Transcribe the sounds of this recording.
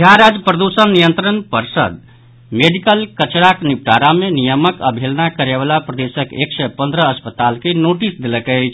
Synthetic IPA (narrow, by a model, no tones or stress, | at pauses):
d̪ʱjaɾad͡ʒpɾəd̪usənːijənt̪ɾənpəɾsə̰d̪ | meɖikəlkət͡ʃɾaknip̚ʈaɾamenijəməkə̰bʱelnakəɾeβalapɾəd̪esəkḛksəpənd̪ʱɾəːspət̪alkenoʈisd̪eləkəjt͡ʃʰ